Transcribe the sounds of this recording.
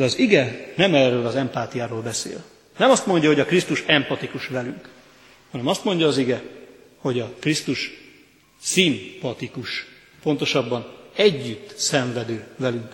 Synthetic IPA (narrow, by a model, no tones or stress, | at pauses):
d̪ɛɒziɡɛnɛmɛːrøːlɒzɛmpaːt̪ijaːɾoːlbɛsḛːl | nɛmɒst̪mo̞ɲɟɒɦo̞ɟɒkrist̪uʃɛmpɒt̪ikuʃʋɛlyŋk | hɒnɛmɒst̪mo̞ɲɟɒːziɡɛ | ho̞ɟɒkrist̪uʃ | simpɒt̪ikuʃ | po̞nt̪o̞ʃɒbːɒnɛɟːyt̪ːsɛɱvɛd̪øːvɛlyŋk